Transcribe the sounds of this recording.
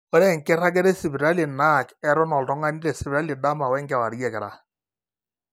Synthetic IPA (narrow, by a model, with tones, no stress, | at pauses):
ɔ˦ɾe˦ŋkɪ˦ɾa˦ɡ̬ɛ˦ɾɛ˦sɪ˨bi˨ɾa˦li˨na˦˨kɛ˦ɾʊ˦nɔ˨ltɔ˦ŋa˦ni˦ɾɛ˨sɪ˨bɾa˦li˨da˦ma˨wɛ˦ŋɡɛ˨wa˨ɾjɛ˨kɛ˨ɾa̰˨